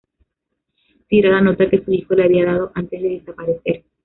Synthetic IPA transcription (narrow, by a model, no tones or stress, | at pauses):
t̪iɾaðano̞t̪ake̞suixo̞leaβiaðað̞o̞ʔant̪e̞zðe̞ðe̞sapaɾe̞θe̞ɾ